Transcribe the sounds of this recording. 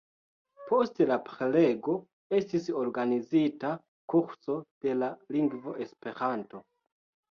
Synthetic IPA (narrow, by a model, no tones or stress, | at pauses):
po̞stelapɾe̞le̞ɡo̞ | e̞stiso̞ɾɡanizita | kuɾso̞d̥e̞laliŋɡvo̞ʔe̞spe̞ɾanto̞